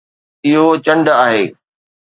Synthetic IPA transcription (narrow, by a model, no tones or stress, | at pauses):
ɪɦot͡ɕɐ̃ɳɖaːɦeː